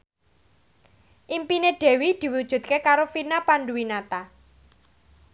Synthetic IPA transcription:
ʔimpineɖ̥ɛ̤wid̪̥i̤wud̥ʒ̥ṳt̪̚kekaɾofinapanɖuwinat̪a

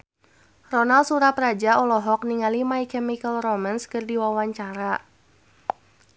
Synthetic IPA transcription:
rɔnalsuɾaprad͡ʒaɔlɔɦɔk̚niŋalimaikɛmikəlrɔmanskərdiwawaɲt͡ʃaɾa

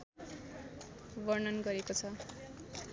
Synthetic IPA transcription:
bʌrnʌnɡʌɾekot͡sʰʌ

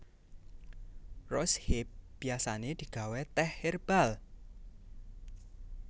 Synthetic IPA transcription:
rɔshep̚b̥iasaned̪̥i̤ɡ̥a̤wɛt̪ɛhɪrb̥al

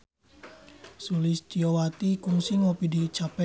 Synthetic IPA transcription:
sulist͡ʃiowat̪ikuŋsiŋopidit͡ʃapɛ

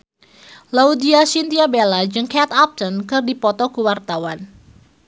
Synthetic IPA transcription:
laudiasint̪iabelad͡ʒɨŋkɛt̪ap̚t̪ənkɨrdipɔt̪ɔkuwart̪awan

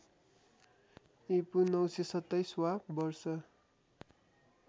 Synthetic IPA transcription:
epunʌwsesʌt̪ːʌjswapbʌrsʌ

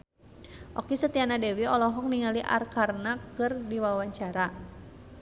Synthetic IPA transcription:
ʔɔ̰kisət̪ianadɛwiɔlɔɦɔk̚niŋaliʔa̰rkarnakɨrdiwawaɲt͡ʃaɾa

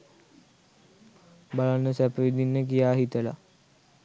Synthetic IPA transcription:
balanːəsæpəʋid̪inːəkijaːɦit̪əla̰

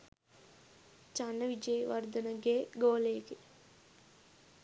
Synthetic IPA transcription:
t͡ʃanːɐʋid͡ʒɐjʋɐɾd̪ɐnɐɡeːɡoːleːke

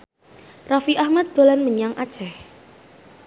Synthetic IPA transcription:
rafiʔahmat̪̚d̪̥o̤lanməɲaŋʔa̰̥t͡ʃɛh

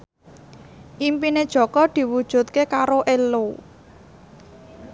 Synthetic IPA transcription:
ʔimpined̥ʒ̥ɔ̤kɔd̪̥i̤wud̥ʒ̥ṳt̪̚kekaɾoʔelo

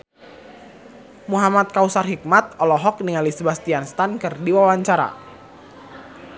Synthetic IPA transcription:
muɦamat̪̚kausarɦik̚mat̪̚ɔlɔɦɔk̚niŋalisbast̪ianst̪ankɨrdiwawaɲt͡ʃaɾa̰

